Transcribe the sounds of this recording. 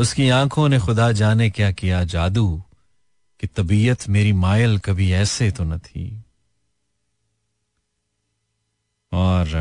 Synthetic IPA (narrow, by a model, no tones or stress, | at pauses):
ʊskiãːkʰõnexʊd̪ad͡ʒaːnekjakijad͡ʒaːd̪u | kit̪ɐbiːət̪meːɾimaːjəlkɐbʱiɛːset̪onɐt̪ʰḭː | ɔːɾ